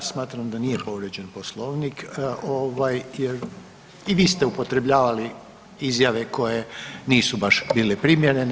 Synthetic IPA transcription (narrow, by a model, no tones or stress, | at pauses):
smaːt̪ɾamd̪anijepo̞ʋɾed͡ʑe̞npo̞slˠoːʋnikoʋajjeɾ | iʋiːst̪eupo̞t̪ɾe̞bʎaːʋali | izjaʋe̞ko̞je̞niːsubaʃbiːlepɾimjeɾen